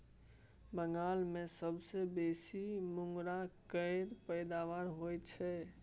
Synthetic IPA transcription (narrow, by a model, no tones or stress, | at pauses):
bəŋɡalmesəbsebesimuŋɡɾakəɪɾpəɪd̪aʋaɾɦojt͡ʃʰɛ